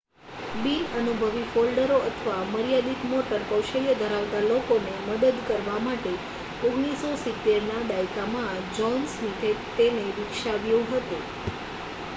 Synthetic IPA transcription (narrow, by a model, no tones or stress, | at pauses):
binənubʱəʋifolɖəɾoʔət̪ʰəʋaməɾijad̪it̪moʈəɾkəwʃəljəd̪ʱəɾaʋt̪alokoneməd̪əd̪kəɾʋamaʈe | oɡɽ̃isosit̪ːeɾnaɖajkamãd͡ʒɔnsmit̪ʰet̪eneɾɪkʃaʋjuɦət̪e